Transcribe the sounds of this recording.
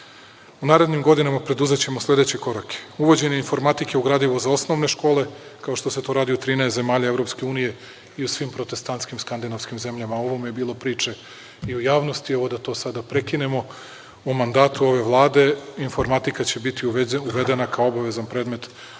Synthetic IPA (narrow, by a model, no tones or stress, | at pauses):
unaːɾe̞d̪ɲimɡo̞d̪inamapɾe̞d̪uze̞t͡ɕe̞moslʲe̞d̪et͡ɕe̞ko̞ɾakʰe̥uʋo̞d͡ʑe̞ɲeinfo̞ɾmat̪ikeuɡɾaːd̪iʋozao̞sno̞ʋne̞ʃko̞ːle̞kao̞ʃt̪o̞se̞t̪o̞ːɾaːd̪iut̪ɾiːnɛest̪ze̞maːʎaevɾo̞pske̞uːnije̞ | iusʋiːmpɾo̞t̪e̞st̪ant̪skimskand̪inofskimze̞mʎamao̞ʋomujebiːlˠo̞pɾiːt͡ʂe | iujaːʋnost̪ie̞ʋo̞d̪at̪o̞ːsad̪apɾe̞kine̞mo̞ | omand̪aːt̪uo̞ʋe̞ʋlˠaːd̪e̞info̞ɾmat̪ikat͡ɕe̞bit̪iuʋed̪e̞nakaoobaʋe̞zanpɾeːd̪me̞t̪